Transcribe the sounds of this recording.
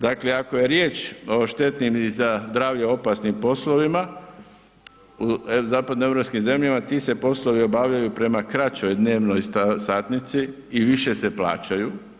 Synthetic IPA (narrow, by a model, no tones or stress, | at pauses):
d̪akleako̞je̞ɾje̞ːt͡ʃo̞ʃt̪e̞t̪nimzazd̪ɾaːʋʎeo̞pasnimpo̞slo̞ʋima | uzaːpad̪noeɾo̞pskimze̞mʎamat̪ise̞po̞slo̞ʋio̞baːʋʎajupɾe̞makɾat͡ɕo̞jd̪ne̞ːʋno̞jsaːt̪nit̪si | iʋiʃe̞se̞pla̰ːt͡ɕaju